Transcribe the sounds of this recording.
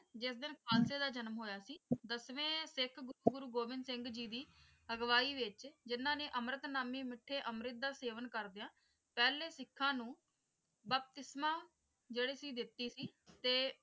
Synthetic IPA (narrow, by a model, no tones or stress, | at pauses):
d͡ʒɪs̬d̪ɪnkʰaːlseːd̪aːd͡ʒənmɦoːjaːsiːd̪əsʋẽːsɪkʰɡʊɾuːɡʊɾuːɡoːbɪnd̪sɪ̃ŋɡd͡ʒiːd̪iː | əɡʋaːiːʋɪt͡ʃd͡ʒɪnːãːnẽːʔəmɾət̪naːmĩːmɪʈʰːẽːʔəmɾɪt̪̚d̪aːseːʋənkəɾd̪eãː | pɛːleːsɪkʰːãːnũː | bəp̚t̪ɪsmãː | d͡ʒeːɽeːsiːd̪ɪt̪ːiːsiːt̪eː